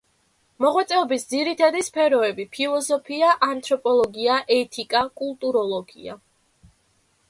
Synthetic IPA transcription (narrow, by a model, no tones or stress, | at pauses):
mɔʁwat̪sʼɛɔbisd̪ziɾit̪ʰad̪ispʰɛɾɔɛbipʰilˠɔzɔpʰiaʔant̪ʰɾɔpʼɔlˠɔɡiaʔɛt̪ʰikʼakʼulˠt̪ʼuɾɔlˠɔɡḭa̰